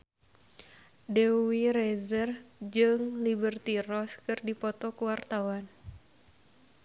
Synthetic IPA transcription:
dɛwiɾɛzərd͡ʒɨŋlibərt̪irɔskɨrdipɔt̪ɔkuwart̪awan

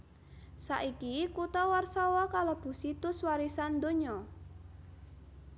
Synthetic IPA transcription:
saʔikikut̪ɔwarsɔwɔkaləb̥ṳsit̪ʊswaɾisand̪oɲɔ

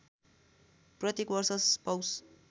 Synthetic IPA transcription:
prʌt̪jekwʌrsʌspaws

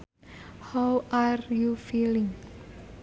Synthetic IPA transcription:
hawarjufilɪ̃ŋ

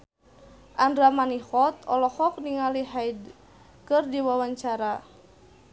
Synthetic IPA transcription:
ʔandɾamanihɔt̪ɔlɔhɔk̚niŋaliɦajd | kɨrdiwawaɲt͡ʃaɾa

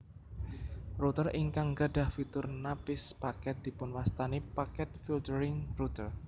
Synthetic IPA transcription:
rut̪ərʔiŋkaŋɡaɖahfit̪ʊrnapɪspakɛt̪̚d̥̪i̤pʊnwast̪anipakɛt̪̚filtəɾɪŋrut̪ər

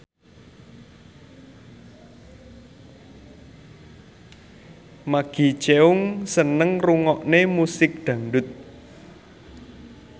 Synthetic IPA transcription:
maɡ̥i̤t͡ʃeʊŋsənəŋruŋɔʔnemusɪk̚d̪̥ä̤ŋɖʊt̪̚

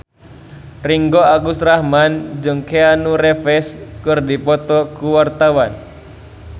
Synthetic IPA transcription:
riŋɡɔaɡust̪rahmand͡ʒɨŋkeanurɛfɛskɨrdipɔt̪ɔkuwart̪awan

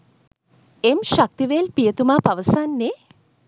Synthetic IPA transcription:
emʃak̚t̪iʋejlpijət̪umaːpaʋəsanːe

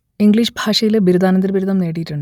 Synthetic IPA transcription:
iŋɡɭiːʂbʱaːʂɐjilbʱiɾud̪aːnɐnd̪ɐɾɐbiɾud̪ɐmne̞ːɽijiʈːuɳɖɨ

